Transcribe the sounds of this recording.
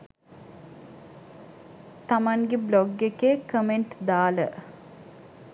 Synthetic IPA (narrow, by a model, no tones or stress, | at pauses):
t̪amaŋɡebloɡːekekəmeɳʈd̪aːlə